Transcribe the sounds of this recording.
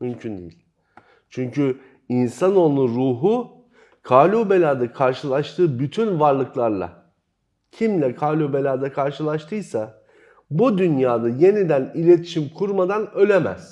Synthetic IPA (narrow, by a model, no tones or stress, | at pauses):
mymcʰynd̪ḛjḭlʲ | t͡ʃʰyɲcy | insano̞lˠnˠuɾuːɦu | kʰaːlʲubelʲaːd̪akʰaɾʃɯlˠaʃt̪ʰɯːbyt̪ʰynvaɾlˠɯklˠaɾlˠa̰ | cʰimlʲɛkʰaːlʲubelʲaːd̪akʰaɾʃɯlˠaʃt̪ʰɯjsa | bud̪ynjaːd̪aje̞nid̪ænilʲe̞t̪ʰi̥ʃimkʰuɾmad̪anø̞lʲemæ̰z̥